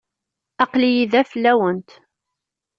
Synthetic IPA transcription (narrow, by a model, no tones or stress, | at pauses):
ɑqlijiðæfəlːæwənt̪